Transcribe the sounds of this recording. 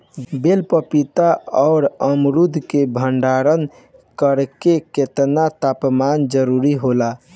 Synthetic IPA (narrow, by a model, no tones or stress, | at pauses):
belpəpit̪aɔːɾəmɾud̪ʱkebʱəɳɖaɾən | kəɾkeket̪nat̪apmand͡ʒəɾuɾiɦola